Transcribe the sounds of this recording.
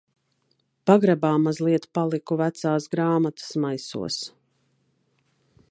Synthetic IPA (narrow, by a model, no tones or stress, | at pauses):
paɡɾabaːmazlˠiɛt̪palˠikuvæt̪saːsɡɾaːmat̪ə̥smajsṵɔs